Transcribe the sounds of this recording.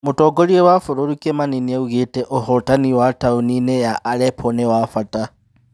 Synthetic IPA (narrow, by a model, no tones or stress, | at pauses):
mutoɡoliewafuɾolukemaninieuɣiteʔohotaniwatauninejaʔːlepʰonewafata